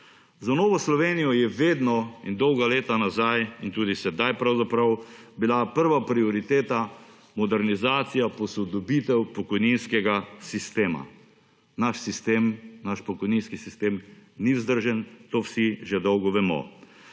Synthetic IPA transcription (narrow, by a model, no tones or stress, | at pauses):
zanɔːʋɔslɔʋeːnijɔjɛʋeːd̪nɔind̪ɔwɡaleːt̪anazajint̪uːd̪isɛd̪ajpɾawzapɾawbilapəɾʋapɾiɔɾit̪eːt̪a | mɔd̪ɛɾnizaːt̪sijapɔsɔd̪ɔbit̪ɛwpɔkɔjninskɛɡasist̪eːma̰ | naʃsist̪eːmnaʃpɔkɔjninskisist̪eːmniwzd̪əɾʒɛnt̪oːwsiʒɛd̪ɔwɡɔʋɛmɔ̰